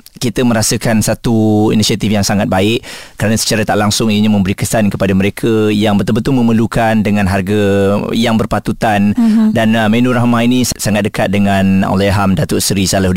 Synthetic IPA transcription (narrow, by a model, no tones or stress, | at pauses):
kit̪əmə̃ɾasəkansat̪uḭnisiat̪ifjaŋsaŋat̪̚baɪʔkəɾanasə̥t͡ʃaɾat̪aʔlaŋsʊŋieɲamə̃mbəɾikəsankəpadaməɾekʰajaŋbət̪əbənt̪ʊlmə̃məlukandəŋãnɦarɡajaŋbərpat̪ut̪andanmenũɾahmãinĩsaŋat̪̚dəkat̪̚dəŋãna̰leaɦamdat̪ʊʔsəɾisalaɦd